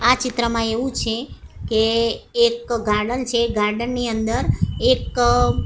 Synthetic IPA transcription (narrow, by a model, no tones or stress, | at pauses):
at͡ʃɪt̪ɾəmãeʋũt͡ʃʰekeːkɡaɾɖənt͡ʃʰeɡaɾɖənːiənd̪əɾek